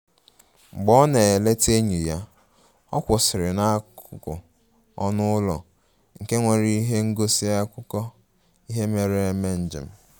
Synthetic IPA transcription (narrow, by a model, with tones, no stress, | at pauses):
ŋ͡m̩˨ɡ͡bɔ˦ne˨e˨le˦te˦ɲi˨ja˦ | ɔ˦kʷʊ˨sɪ˨ɾɪ˨na˦kʊ˦kʊ̰˨ | ɔ˦nʊ˦ʊ˦lɔ̰˨ | ŋ̩˨ke˦ŋʷe˨ɾi˦i˦ɦe˦ŋ̩˦ɡo˦si˦a˦kʷʊ˦kɔ˦ | i˦ɦe˦me˨ɾe˦e˦˨me˦n̩˨d͡ʒɪ̰˨m̩˦